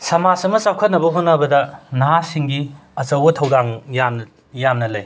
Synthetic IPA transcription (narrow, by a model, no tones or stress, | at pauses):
sɐmasɐmɐsakʰɐt̚nɐbɐɦonːɐbɐdɐnasiŋɡiɐt͡ʃɐwbɐtʰɐwdaŋjamn | jamnɐlɐj